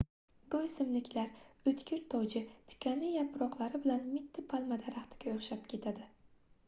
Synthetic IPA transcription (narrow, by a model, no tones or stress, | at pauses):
ɡojsɪmlɪkʲʰlaɾɵt̪kʲʰɪɾt̪ʰɒwd͡ʒɪt̪ʰɪ̥kʲʰanɪjapɾɒqlˠaɾɪbɪlanmɪt̪ʰːɪpʰalˠmad̪aɾaχt̪ʰɪ̥ɡʲaoχʃap̚kʲʰe̞t̪ʰad̪ɪ